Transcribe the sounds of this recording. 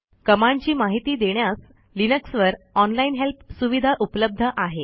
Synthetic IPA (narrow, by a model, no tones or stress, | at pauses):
kəmaɲt͡ɕiːmaɦit̪iːd̪eɳjas | linəksʋəɾɔnlainɦelpsuʋid̪ʱaʔupləb̚d̪ʱəʔaɦe